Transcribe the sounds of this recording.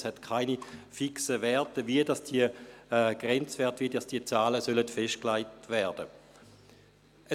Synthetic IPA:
shɛtkʰaɪnifiksəvɛɐtəviədɑsd̥iəɡ̥ʁɛnt͡sʋɛɐtviːədɑsd̥iət͡saːləsølətfɛʃt̚klaɪtvɛɐd̥ə | ʔə

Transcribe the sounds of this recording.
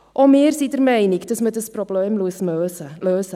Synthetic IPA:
ʔomeːrsidəɾmɛɪnɪkd̥əsmədəsprobleːmluəsøːsəløːsə

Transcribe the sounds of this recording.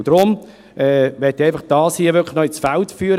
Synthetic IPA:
d̥̪ɾʊm | ʔɛʋɛtːiaɪfəχd̥ɑːshiəʋʏkləχnɔɪsfæltfyːəɾə

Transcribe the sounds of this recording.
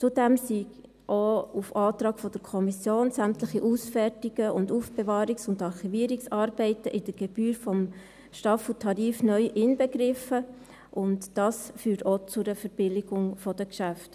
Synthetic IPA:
t͡sʊdɛmsiɡ | ʔoufɑːt̪ɾɑːɡfɔd̥əɾkʰɔmisjoːnsæmtləχiʔusfɛrtiɡ̥əʊnduːfb̥evɑːɾiksʊndɑɾχiviəɾiksɑːɾb̥ɛɪtəʔɪd̥əɾɡ̥ɛb̥yːɾfɔm | ʃtɑfl̩tʰɑɾiːfnœʏʔɪnbɛɡɾɪfə | ʔʊntd̥ɑːsfyːɾtoːt͡sʊɾəfəɾb̥ɪlɪɡʊŋfɔdəkʃæft

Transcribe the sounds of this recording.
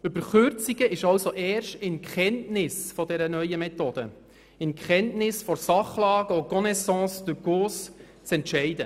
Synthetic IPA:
ʏbəɾχʏɾt͡siɡəʔɪʃɑwsoʔɛːɾʃtɪnkχɛntnɪsfɔdɛɾənœʏəmɛt̪od̥̪ə̰ | ɪnkχɛntnɪsfɔsɑχlɑːɡ̥əɔɡɔnɛsɑ̃ːsd̥ʉɡ̥oːs | t͡sɛntʃɛɪd̥ə

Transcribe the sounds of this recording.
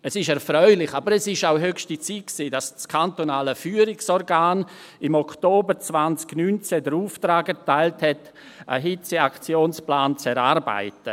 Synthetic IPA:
ɛsɪʃɛɾfɾœʏlɪχabəɾɛsɪʃaʊɦøkʃtit͡sit̚ksiːdɑst͡skʰantonaːləfyːəɾɪksɔɾɡaːn | ɪmɔkʰtoːbəɾt͡svant͡sɡ̥nyːnt͡sɛdəɾuːftɾaːɡɛtaɪlthɛt | ə̰ɦɪt͡səakt͡sjoːnsplaːnt͡sɛɾaːɾba̰ɪtə

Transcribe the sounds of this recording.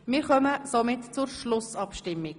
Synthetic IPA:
mɪːɾχœməsomɪtt͡sʊɾʃlʊsɑpʃtɪmːɪɡ

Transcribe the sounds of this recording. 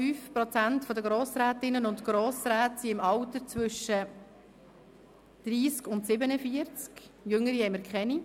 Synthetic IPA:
fyːfpɾɔt͡sæntfɔdəɡɾoːsɾæːtɪnːənʊntɡ̥ɾoːsɾæːtsiɪmɑwtət͡sʋʏʃːə | d̪̥ɾiːskʊntsɪbənəfiəɾt͡skjʏŋəɾiɛməɾkχɛni

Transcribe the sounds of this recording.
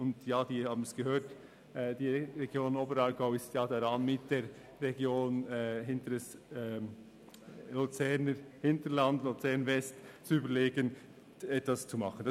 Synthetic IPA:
ʊndjaːd̥iːhɑːbən̩sɡ̥əɦøːt | ʔɛd̥iːɾɛɡ̥joːnoːbəɾɑɾɡaʊɪstjɑːdaɾɑnmɪt̚d̥eːɾː | ɛɡjoːnɛɦɪntədɛsɛ | lut͡sɛɾnəhɪntəlandlut͡sɛɾnvɛstt͡suyːbəleːɡən | ɛtvast͡sumɑχən̩d̥ɑ

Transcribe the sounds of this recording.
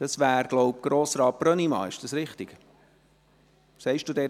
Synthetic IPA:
d̥ɑsʋæːɾɡ̥lɔʊp̚ɡ̥ɾoːsɾɑːbɾœnimɑ̰ːɪʃd̥ɑsɾɪχt̪ɪɡ̥ | sɛɪʃd̥ud̥̪ɛː

